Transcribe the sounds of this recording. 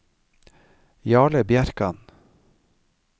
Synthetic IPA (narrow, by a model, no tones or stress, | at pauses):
jɑːɭəbjæɾkɑn